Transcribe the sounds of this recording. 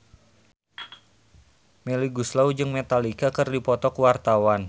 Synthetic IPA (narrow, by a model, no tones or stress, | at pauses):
meliɡuslaud͡ʒɨŋmet̪alikakɨrdipɔt̪ɔkuwart̪awan